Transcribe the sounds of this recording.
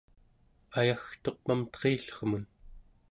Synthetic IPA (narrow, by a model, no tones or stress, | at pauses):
ajaxt̪o̞q̚mamt̪qeːɬʌʁmun